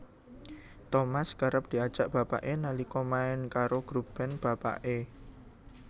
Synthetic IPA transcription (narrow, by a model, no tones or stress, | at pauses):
t̪omaskəɾəp̚d̪̥i̤ad̥ʒ̥a̤ʔb̥a̤pa̰ʔenalikɔmaɪnkaɾoɡ̥ɾub̥ɛ̤nb̥a̤pa̰ʔe